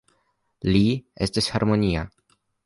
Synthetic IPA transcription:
lie̞stishaɾmo̞nia

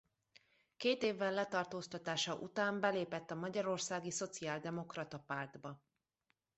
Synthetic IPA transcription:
keːt̪eːvːɛlːɛt̪ɒrt̪oːst̪ɒt̪aːʃɒʔut̪aːmbɛleːpɛt̪ːɒmɒɟɒɾo̞rsaːɡiso̞t̪siaːld̪ɛmo̞krɒt̪ɒpaːrd̪bɒ

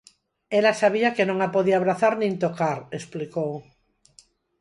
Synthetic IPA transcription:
elasaβ̞iakenõŋapoðiaβ̞ɾaθaɾnĩnt̪okaɾesplikow

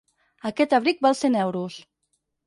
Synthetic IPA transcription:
akɛt̪aβɾik̚balˠsenɛwɾus

